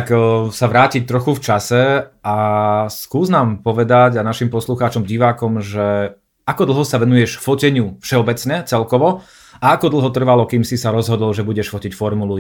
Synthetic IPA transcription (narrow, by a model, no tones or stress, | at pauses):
ksaʋɾaːcict̪ɾɔxuft͡ʃasɛaskuːznaːmpɔʋɛd̪aɟanaʃimpɔsluxaːt͡ʃɔmɟiʋaːkɔmʒɛ | akɔd̪l̩ˠɦɔsaʋɛnujɛʃfɔcɛɲɪufʃɛɔbɛt͡sɲɛt͡sɛlkɔʋɔ | ʔaakɔd̪l̩ˠɦɔt̪r̩ʋalɔkiːmsisaɾɔzɦɔd̪ɔlʒɛbuɟɛʃfɔcicfɔɾmulu